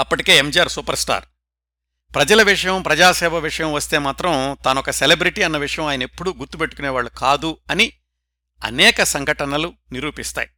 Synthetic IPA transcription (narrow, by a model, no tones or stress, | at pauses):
ɐpːɐʈike̞ːemd͡ʒaːɾsuːpɐɾsʈa̰ːɾ | pɾɐd͡ʒɐlɐʋiʂɐjɐmpɾɐd͡ʒaːʃɛːʋɐʋiʂɐjɐmʋɐst̪e̞ːmaːt̪ɾɐmt̪ɐnɐɔkɐselebɾiʈiːɐnːɐʋiʂɐjɐ̃maːjɐnɐepːuɽuɡuɾt̪ːupe̞ʈːu̥kuneːʋaːɭːukʰaːd̪uɐni | ɐ̰nɛːkɐsɐŋɡʱɐʈɐnɐluniɾuːpist̪a̰ːji